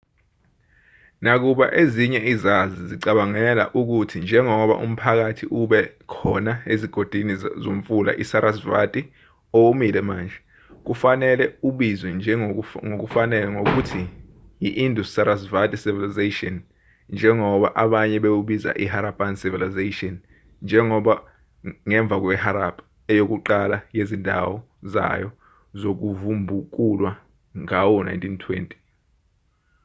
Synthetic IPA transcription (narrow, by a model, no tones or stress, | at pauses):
nak̬uɓa̰ʔeziɲɛizaziziǀaɓaŋɛla̰ʔuk̬utʰind͡ʒʱɛŋɔɓa̰ʔṵm̩pʰak̬atʰiʔuɓɛkʰɔnaeziɡ̥ʱod̥ʱwinizom̩fula̰ʔisaɾasva̰tʼi | ɔwumilɛmaːnd͡ʒʱɛ | k̬ufanɛlɛuɓizwɛnd͡ʒʱɛŋok̬ufanɛlɛŋok̬utʰi | jiʔindʱustaɾasvatʼisivilizeʃiɔn | nd͡ʒʱɛŋɔɓaʔaɓaɲɛɓewuɓiza̰ʔiɦaɾabʼansivilizaʃiɔn | nd͡ʒʱɛŋɔɓa | ŋɛɱb̪vʱak̬ʼwɛhaɾapʰʼ | ɛjok̬ʼuǃalajezindʱa̰wɔ | za̰jɔ | zok̬uvumbʱuk̬ʼulwa | ŋawuna̰jntʼʰintʰwḛːntʼi̥